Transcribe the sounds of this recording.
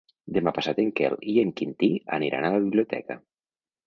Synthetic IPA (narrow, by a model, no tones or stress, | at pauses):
d̪emapasat̪eŋkḛlieŋkint̪ia̰niɾʔa̰nalaβiβliot̪ɛ̰ka̰